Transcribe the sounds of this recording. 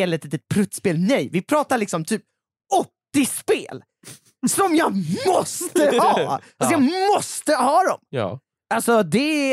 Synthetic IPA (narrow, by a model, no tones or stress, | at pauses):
ɛlɛt̪iːt̪ət̪̚pʰɾɵt̪speːlnɛjvɪpʰɾɑːt̪aɭɪksɔmt̪ʰyːp̚ | ɔt̪ːɪspḛːl | sɔmjɑmɔst̪əhɑːals̬ɔjɑmɔst̪əhɑːd̪ɔ̰m̰ː | alsɔd̪ɛ